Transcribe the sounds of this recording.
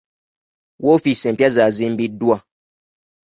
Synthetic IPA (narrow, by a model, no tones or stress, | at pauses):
wʔofisɛ̃mpjazazim̩bidua